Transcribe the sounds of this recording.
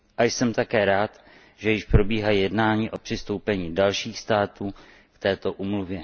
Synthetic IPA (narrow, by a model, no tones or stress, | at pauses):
ʔajsɛmt̪akɛːɾaːt̪ | ʒɛjɪʃpɾo̞biːɦajɛdnaːɲiːʔo̞pr̝̥ɪst̪o̞wpɛɲiːdalʃiːxst̪aːt̪uː | kt̪ɛːt̪o̞ʔuːmluvjɛ